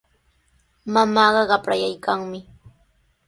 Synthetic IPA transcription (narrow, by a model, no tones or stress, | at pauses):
mamɑːɢɑɢɑpɾajajkaŋmɪ